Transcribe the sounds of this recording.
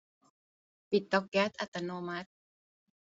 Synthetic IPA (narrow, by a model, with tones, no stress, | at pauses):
pi˨t̪ːɔ˦k̚ɡɛ˦t̪̚a˨t̪a˨no˧ma˦t̪̚